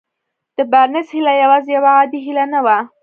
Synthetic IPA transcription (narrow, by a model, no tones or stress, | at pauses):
d̪̥əbaɾnɪshilajawɑzejawaːd̪iɦilanawa